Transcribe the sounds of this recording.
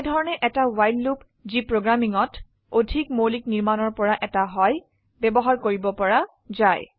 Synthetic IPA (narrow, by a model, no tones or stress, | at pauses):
dʱɔɹɔnɛʔɛtawajllup | zipɹoɡɹamiŋɔt | odʱikmolik̚niɹmanɔɹpɔɹaʔɛtaɦɔj | bɛbɔɦaɹkoɹibɔpɔɹa | zaj